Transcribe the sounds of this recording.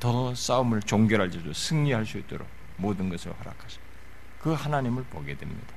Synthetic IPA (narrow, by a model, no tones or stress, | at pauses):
tʌs͈aɯmɯɭt͡ɕoŋɡjʌɾɦaɭd͡ʑ͈idosʰɯŋɲiɦaɭs͈uit̚t͈o̰ɾo̰k | moːdɯnɡʌsʰɯɾo̰haɾa̰kʰaɕʰʌ̥ | kɯhanaɲimɯɭpoɡe̞dwḛmɲḭd̥ḁ